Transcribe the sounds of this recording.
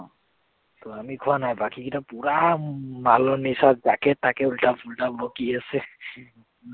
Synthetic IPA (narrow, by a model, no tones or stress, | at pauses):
ɔ | tɔamikʰʊanajbakikitapuɹamalɔnisatzakɛtːakɛultapʰultabbɔkiasɛ